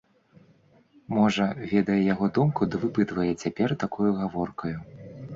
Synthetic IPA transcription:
mɔʐɐvʲɛd̪ɐjɛjaɣɔd̪umkud̪ɐvɨpɨt̪vɐjɛt͡sʲapʲɛrt̪akujuɣavɔrkɐju

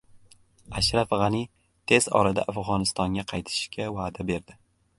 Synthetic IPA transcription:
aʃɾafʁɑni | t̪ʰe̞zɒ̰ɾad̪a̰ʔafʁɒnɪst̪ɒŋɡʲaqʰɑjt̪ʰɪ̥ʃkʲʰavaːd̪abe̞ɾd̪ɪ

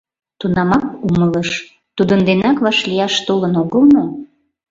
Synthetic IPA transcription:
t̪unɑmɑkumələʃ | t̪ud̪ənd̪enɑkβɑʃlʲijɑʃt̪olənoɣəlmo

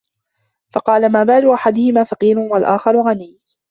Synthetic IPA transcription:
fɑqɑːlamaːbaːʕlʊʔaħad̪ʊhɪmaːfɑqiːɾʊnwalʔaːxɑɾˤʊɣanijː

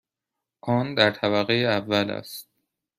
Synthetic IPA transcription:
ʔɒːnd̪æɾt̪ʰæβæɣejeævːælæ̰st̪̚

